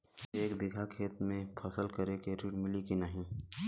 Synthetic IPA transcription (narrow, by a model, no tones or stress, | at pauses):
eːkbɪɡʱakʰeːt̪mẽpʰɐsəlkɐɾekeɾiːʈmɪlikinɐɦĩ